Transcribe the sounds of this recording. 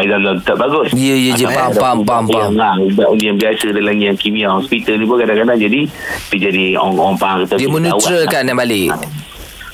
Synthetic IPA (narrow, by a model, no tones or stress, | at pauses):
azamdɔnt̪əʔ̚baɡʊsjəjəd͡ʒəpapampamŋabaʔundiambiasədalaŋijaŋkimiahɔspit̪əlnip̬ʊnkadakadaŋd͡ʒadit̪əd͡ʒadiɔ̰ŋɔŋpaaŋkat̪ajəmənuwwaɾəkanabalɪʔ